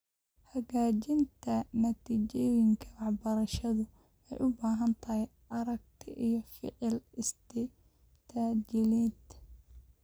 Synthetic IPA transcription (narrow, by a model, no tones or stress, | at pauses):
hɐɣaːt͡ʃɪnt̪ʰɐnɐt̪ʰiːt͡ʃɔjɪŋkʰɐwɑħbɐɾɐʃɐðʊ | ɛjʔʊbaːɦɐnt̪ʰɐɦɛj | ʔɐɾɐɡ̚t̪ʰɪʔijɔfɪ̰ʕɪlɪst̪ʰɪ | t̪ʰaːd͡ʒɪlit̪